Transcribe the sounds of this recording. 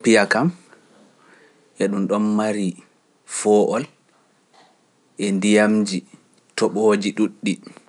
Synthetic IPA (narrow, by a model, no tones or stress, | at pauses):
pijakam | ʔɛɗumɗɔnːaɾi | fɔːʔɔl | ʔɛndijamd͡ʒi | tɔɓoːd͡ʒiɗuɗːi